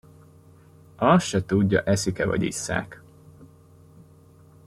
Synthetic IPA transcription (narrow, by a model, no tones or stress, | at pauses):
ɒsʃɛt̪uɟːɒʔɛsikɛvɒ̰ɟḭsːa̰ːk